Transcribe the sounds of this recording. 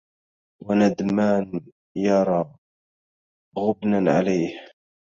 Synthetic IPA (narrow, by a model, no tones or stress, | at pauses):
wanad̪maːn | jɑɾˤɑː | ɣʊbnanʕa̰lajh